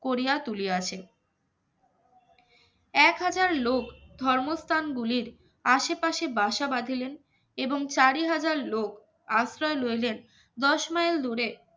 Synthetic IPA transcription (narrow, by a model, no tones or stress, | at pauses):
koɾiat̪ulieat͡ɕʰe | ɛkɦad͡ʑaɾlokd̪ʱɔɾmost̪ʰanɡuliɾ | aʃepaʃebaʃabad̪ʱilen | eboŋt͡ɕaɾiɦad͡ʑaɾlok | asɾɔelojlen | d̪ɔʃmajld̪ʱuɾe